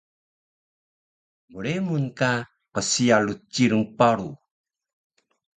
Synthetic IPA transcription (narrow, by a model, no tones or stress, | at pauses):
muɾemunka | qəsialut͡ʃiɾuŋpaɾu